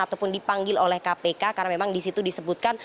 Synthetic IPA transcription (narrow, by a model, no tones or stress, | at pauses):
at̪awpʊndipaŋɡɪlolɛhkapekakarnamemaŋdisit̪udisəbut̪̚kan